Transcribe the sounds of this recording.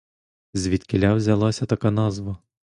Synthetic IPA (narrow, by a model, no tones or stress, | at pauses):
zʲʋʲit̪kɪlʲawzʲɐlˠɑsʲɐt̪ɐkɑnɑzʋɐ